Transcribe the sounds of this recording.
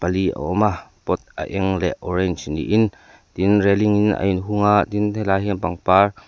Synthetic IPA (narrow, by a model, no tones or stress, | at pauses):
pəliə̰ɔmapɔt̪̚ʔə̰ʔɛŋlɛ̰ʔɔɾɛnt͡ʃnḭʔin | t̪inrɛliŋinə̰ʔinɦuŋaʔt̪int̪ʰelaːɦinpaŋpaːr